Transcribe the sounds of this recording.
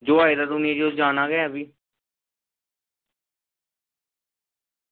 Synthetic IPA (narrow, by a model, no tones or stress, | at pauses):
d͡ʒoːaːiːd̪aːd̪ʊnĩːd͡ʒiod͡ʒaːnaːɡəaːbiː